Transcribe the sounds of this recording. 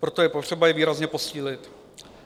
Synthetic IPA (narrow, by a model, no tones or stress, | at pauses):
pɾo̞t̪o̞jɛpot̪r̝̥ɛbajɛviːɾazɲɛpo̞siːlɪt̪